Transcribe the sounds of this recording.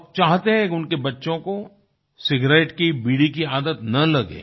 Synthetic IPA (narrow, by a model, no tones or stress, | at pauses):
p̚t͡ʃaːɦt̪eɦɛ̃kʊnkebɐtːʃõko | sɪɡɾeːʈkibiːɽikiaːd̪ət̪nɐlɐɡḛː